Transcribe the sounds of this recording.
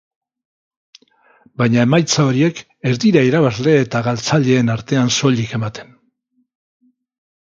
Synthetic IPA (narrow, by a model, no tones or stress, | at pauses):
bajɲae̞majt͡sao̞ɾie̞k | e̞ɾðiɾaiɾaβazle̞ːt̪aɣalt͡saʎe̞ːnaɾt̪e̞anso̞ʎike̞mat̪e̞n